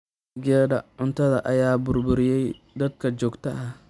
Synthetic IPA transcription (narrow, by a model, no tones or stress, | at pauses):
ɡɛːdɐʕʊnt̪ʰɐðɐʔɐjaːbʊrbʊɾɪjɛj | d̪ɐd̪kʰɐt͡ʃɔːɡt̪ʰɐʔɐh